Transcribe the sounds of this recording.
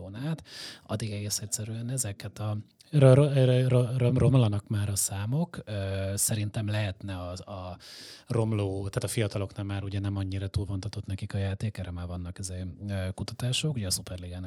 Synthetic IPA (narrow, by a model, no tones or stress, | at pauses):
oːnaːt̪ɒ̰d̪iɡɛɡeːsɛcʲsɛɾyɛnɛzɛkhɛt̪ɒ | roromro̞mlɒnɒkmaːɾɒsaːmo̞køːsɛɾint̪ɛmlɛɦɛt̪nɛɒɒ | ro̞mloːt̪aːt̪ɒfijɒt̪ɒlo̞knɛmːaːɾuɟɛnɛmɒɲːiɾɒt̪uːlvont̪ɒt̪o̞t̪nɛkikɒjaːt̪eːkɛːɾɛmaːrvɒnːɒkizeːøkut̪ɒt̪aːʃo̞kuɟɛːsupɛrliɡaːn